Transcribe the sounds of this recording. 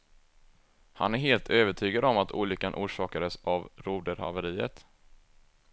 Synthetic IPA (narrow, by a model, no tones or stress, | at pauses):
ha̰næɾɦeːlt̪ʰøːvəʈʰyːɡad̪ɔmat̪ʰṵːɭʏkːanʔuːʂɑːkad̪əsavɾuːd̪əɾha̰vəɾiːə̰t̪